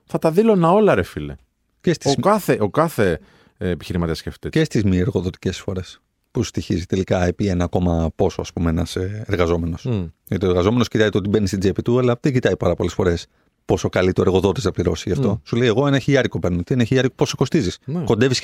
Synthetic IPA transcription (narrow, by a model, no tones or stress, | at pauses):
θɐt̪ɐðilonɐo̞lɐɾefilḛ | cest̪ioɐθeʔokɐθeː | piçiɾimɐt̪iɐsceft̪icest̪izmieɾɣo̞ðo̞t̪i̥ce̞sfo̞ɾe̞s | pust̪içizit̪e̞likɐepienɐko̞mɐpo̞soɐspumeenɐseeɾɣɐzo̞me̞no̞sjɐt̪ioeɾɣɐzo̞me̞noscit̪ɐzit̪ot̪ibe̞nist̪id͡zepit̪uɐlɐðeɟit̪ɐipɐɾɐpo̞le̞sfo̞ɾe̞s | po̞so̞kɐlit̪oeɣo̞ðo̞t̪iznɐpliɾo̞siɐft̪o̞suleje̞ɣo̞enɐçiɐɾikopeɾnot̪ieneçiɐɾikoposoko̞st̪izisnkond̪evis